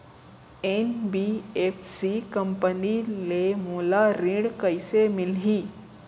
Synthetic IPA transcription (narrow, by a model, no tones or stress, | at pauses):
eːnbieːfʰsikəmpənilemoːlaɾĩːɽkəɪsemɪlɦiː